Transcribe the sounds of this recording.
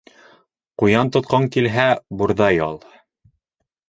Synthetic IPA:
qujɑnt̪ŏt̪̚qɑŋkilɦæbuɾðɑjɑlˠ

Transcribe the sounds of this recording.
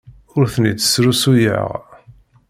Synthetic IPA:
ʊɾθənit͡s̪ːə̥sɾusujə̰ʁ

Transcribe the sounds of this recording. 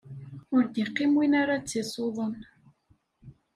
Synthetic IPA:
ʊɾd̪iqːimwinaɾat͡sːisˤoðˤən

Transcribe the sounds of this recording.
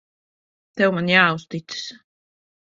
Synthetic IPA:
t̪ɛwmanjaːust̪it̪sɨ̥s

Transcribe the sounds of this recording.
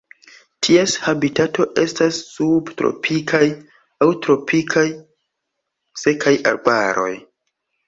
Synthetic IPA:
tʰieshabitato̞ʔe̞stasːubtɾo̰pʰikʰaj | awtɾo̞pʰikʰaj | se̞kʰaja̰ɾbaɾo̞̰j

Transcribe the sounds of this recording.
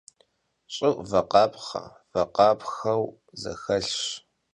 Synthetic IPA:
ɕʼɪʔvɐqɑːpχɐ̰ | vɐqɑːpxɐw | zɐ̰xɐɬɕ

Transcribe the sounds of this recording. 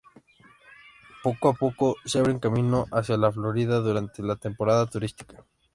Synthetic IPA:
po̞koapokoseaβɾeŋkamĩnoʔasjalaflo̞ɾiðaðuɾant̪elat̪e̞mpoɾaðat̪uɾist̪i̥kḁ

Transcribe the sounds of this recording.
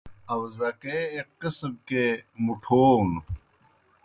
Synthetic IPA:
ɐwzɐkeːqqisb̚kemuʈʰoːn

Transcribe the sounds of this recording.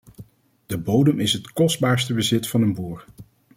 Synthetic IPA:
d̥əbowdəmɪsɦətkɔsd̚baːɹstəbəzɪtfɑnənbuːɹ

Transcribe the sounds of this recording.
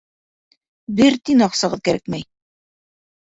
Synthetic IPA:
bɘɾt̪inɑqsɤ̆ʁɤðkæɾæ̰kmæj

